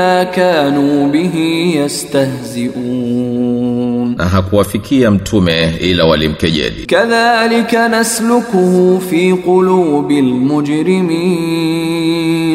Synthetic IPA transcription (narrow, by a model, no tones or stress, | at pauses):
aːkaːnuːbɪɦijast̪ahzɪʔuː | nnʔa̰ɦakuwafikʰiam̩tʰumɛilawalim̩kɛʄɛ̰lḭkaðaːlɪkanaslʊkʊhʊfiːqʊluːbɪlmʊd͡ʒɾɪmiː